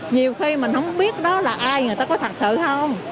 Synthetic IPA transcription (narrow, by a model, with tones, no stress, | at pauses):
ɲi˨˩əwxi˧mi˨˩ŋ̟hə˧wŋ͡mɓi˦˥ət̚ɗɔ˨˦laː˨˩ʔaː˧jɨ˨˩ət̪aː˧kɔ˨˦t̪ʰa˨˩t̚sɨ̰˧˨həə˧wŋ͡m